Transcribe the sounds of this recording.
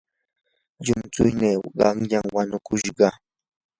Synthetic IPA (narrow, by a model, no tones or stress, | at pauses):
ʎʊmt͡sʊjneɢɑmʎaŋwanʊkʊʃɢɑ